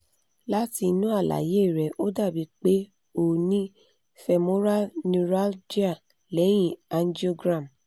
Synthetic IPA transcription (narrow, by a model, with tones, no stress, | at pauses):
la˦ti˧nũ˦a˦˨la̰˨je˨˦˨ɾɛ˨ʔo˦da˦˨bi˨˦k͡pe˦ | o˦˨nĩ˦ | fɛ˧mo˦ɾa˦lnũ˧ɾa˦ld͡ʒi˦a˦˨ | lɛ˨˦j̃ĩ˦˨a˧n˦di˦o˦ɡɾã˦˨m